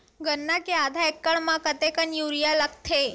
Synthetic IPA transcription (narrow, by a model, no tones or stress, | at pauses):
ɡənːakead̪ʱaekːəɭmãkət̪ekənjuɾijaləkt̪ʰe